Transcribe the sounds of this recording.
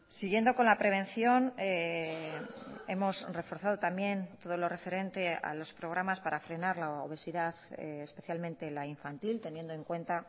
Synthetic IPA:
siɣje̞nd̪o̞ko̞nlapɾe̞β̞ẽ̞nθjo̞ne | e̞mo̞sre̞fo̞ɾθað̞ot̪ambje̞nt̪o̞ð̞o̞lo̞re̞fe̞ɾe̞nt̪e̞a̰lo̞spɾo̞ɣ̞ɾamaspaɾafɾe̞naɾlao̰β̞e̞siðaθeːspe̞θjalmẽ̞nt̪e̞laiɱfant̪ilt̪e̞nje̞nd̪oe̞ŋkwe̞nt̪a

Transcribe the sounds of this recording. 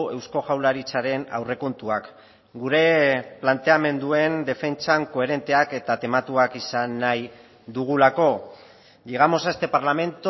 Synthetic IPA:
e̞wsko̞ʝawlaɾit͡saɾe̞na̰wre̞ko̞nt̪uak | ɡuɾe̞plant̪e̞ame̞nd̪ue̞nd̪e̞fe̞nt͡saŋko̞e̞ɾe̞nt̪e̞ake̞t̪at̪e̞mat̪uakisanːaj | d̪uɣ̞ulako̞ | ʎeɣ̞amo̞sast̪e̞paɾlame̞nt̪

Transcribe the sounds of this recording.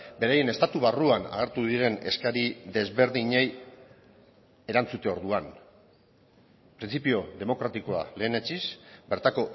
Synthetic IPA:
be̞ɾaje̞ne̞st̪at̪uβaruana̰ɣ̞eɾt̪uðiɾe̞ne̞̰skaɾiðe̞zβe̞ɾðiɲej | e̞ɾant͡sut̪e̞o̞ɾðuan | pɾint͡sipio̞ðe̞mo̞kɾat̪iko̞a̰le̞ːnet͡ʃisbe̞ɾt̪ako̞

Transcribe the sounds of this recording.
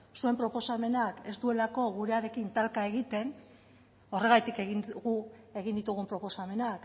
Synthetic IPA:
sue̞mpɾo̞po̞same̞nake̞st̪ue̞lako̞ɣuɾe̞aɾe̞kint̪alkae̞ɣit̪e̞n | o̞re̞ɣajt̪ikeɣinɣue̞ɣ̞ind̪it̪uɣ̞umpɾo̞po̞same̞nak

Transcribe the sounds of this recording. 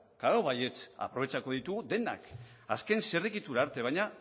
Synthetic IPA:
kaɾoβaje̞t͡sa̰pɾo̞β̞e̞t͡ʃako̞ð̞it̪uɣud̪e̞na̰k | aske̞nserikit̪uɾaːɾt̪e̞β̞ajɲa

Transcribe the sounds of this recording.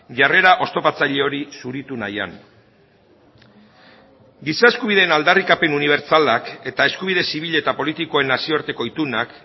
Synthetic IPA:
ʝare̞ɾaʔo̞st̪o̞pat͡saʎe̞o̞ɾisuɾit̪una̰ja̰n | ɡisae̞skuβ̞iðe̞ːnald̪arikape̞nuniβ̞e̞ɾt͡salake̞t̪ae̞skuβ̞ið̞e̞siβ̞iʎe̞t̪apo̞lit̪iko̞e̞nasioɾt̪e̞ko̞it̪unak

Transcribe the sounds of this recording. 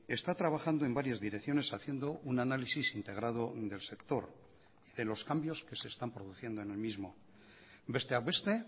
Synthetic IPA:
e̞st̪at̪ɾaβaxand̪o̞e̞mbaɾjazðiɾekθjo̞ne̞saθjend̪o̞ʔunanalisisint̪e̞ɣ̞ɾað̞o̞ðe̞lse̞kt̪o̞ɾ | iðe̞lo̞skambjo̞ske̞se̞ːst̪ampɾo̞ðuθje̞nd̪oe̞ne̞lmizmo̞ | be̞st̪eawest̪e

